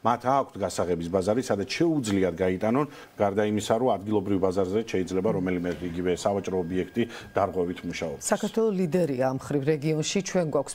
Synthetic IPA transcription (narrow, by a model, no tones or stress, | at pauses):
mat̪ʰaːkʰʷt̪ʰɡasaʁɛbisbazaɾisad̪at̪sʃɛud̪zliad̪ɡait̪ʼanɔn | ɡ̥aɾd̪aimisaɾɔad̪ɡilˠɔbɾivbazaɾzɛʃɛid̪zlɛbaɾɔmɛlimɛt̪ʰiɡivɛsavat͡ʃʼɾɔːbiɛkʰt̪ʼi | d̪̥aɾʁwɛvit̪ʰmuʃaɔbsakʰaɾtt̪ʰwɛlˠɔslid̪ɛɾiamχɾivɾɛɡiɔnʃit͡ʃʰwɛnɡwakʰʷs